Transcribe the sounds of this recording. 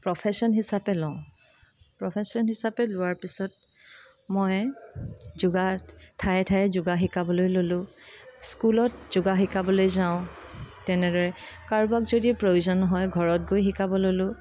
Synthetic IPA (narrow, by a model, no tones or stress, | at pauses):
pɹɔpʰɛsɔnɦisapɛlɔʊ̃ | pɹɔpʰesɔnɦisapɛlʊwaɹpisɔt̚ | mɔj | zʊɡatʰajɛtʰajɛzʊɡaxikabɔlojlolʊ̃skulɔtz̥ʊɡaxikabɔlojzaʊ̃tɛnɛdɔɹɛkaɹbakzodiɛpɹojuzɔnɦɔjɡʱɔɹɔt̚ɡojxikabɔlolʊ̃